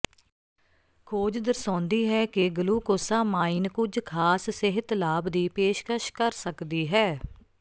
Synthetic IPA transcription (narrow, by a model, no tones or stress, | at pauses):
kʰoːd͡ʒd̪əɾsãːnd̪iːɦɛːkɪɡəluːkoːsaːmaːiːnkʊd͡ʒkʰaːssɪɦət̪laːbd̪iːpeːʃkəʃkəɾsəkd̪iːɦɛː